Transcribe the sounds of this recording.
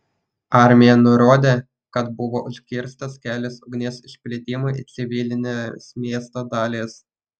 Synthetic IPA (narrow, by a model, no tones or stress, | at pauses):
ɑɾʲmʲɪjɛnʊɾoːd̪ʲeː | kɐt̪bʊʋoːʔʊʃʲkʲɪɾst̪ɐskʲæːlʲɪsʊɡnʲeːsɪʃʲpʲlʲeːt̪ʲɪmʊʔit̪sʲɪʋʲɪlʲɪnʲesmʲeːst̪oːd̪ɑːlʲeːs